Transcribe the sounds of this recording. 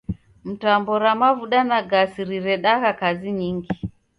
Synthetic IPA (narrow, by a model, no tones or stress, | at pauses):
m̩tambɔɾamavuɗanaɡasiɾiɾɛɗaɣakaziɲiŋɡi